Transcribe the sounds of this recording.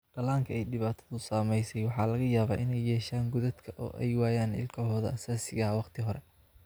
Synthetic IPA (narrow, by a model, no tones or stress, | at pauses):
ɖ̥ɐlaːŋkʰɐɛjɖɪβaːt̪ʰɐ̥ðʊsaːmɛjsɛjwɑħɑːlɐɣɐjaːβaːʔɪnɛjːɛːʃaːŋɡʊðɐd̪kʰɐʔɔ̰ːʔɛ̰jwaːjaːnɪ̰lkʰɐɦɔːðɐ̰ʔɐsaːsɪɣɐɐwɑqt̪ʰɪɦɔɾɛ